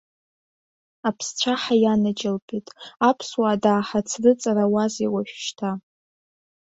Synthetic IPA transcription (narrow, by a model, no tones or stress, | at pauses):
apʰst͡ʃʷʰaħajanad͡ʒɪlpʰʼitʼapʰswaːdaːħat͡sʰrɨt͡sʼarawaziwaʃᶣʃtʰa